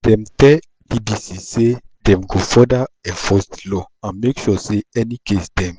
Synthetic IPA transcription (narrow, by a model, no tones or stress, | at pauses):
dɛ̃mtɛ | dibisisedɛ̃mɡofɔdaɛ̃fɔstlɔãnmekʃuseɛnikesdɛ̃m